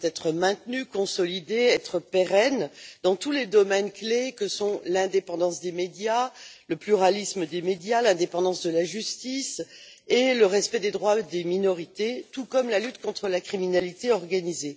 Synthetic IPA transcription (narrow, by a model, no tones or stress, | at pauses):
t̪ɛt̪χəmɛ̃t̪nykɔ̃sɔlid̪eɛt̪χəpeʁɛnd̪ɑ̃t̪uled̪ɔmɛnklekəsɔ̃lɛ̃d̪epɑ̃d̪ɑ̃sd̪emed̪jaləplyʁalisməd̪emed̪jalɛ̃d̪epɑ̃d̪ɑ̃sd̪əlaʒyst̪is | eləʁɛspɛd̪ed̪ʁwad̪eminɔʁit̪et̪ukɔmlalyt̪kɔ̃t̪χəlakχiminalit̪eɔʁɡanize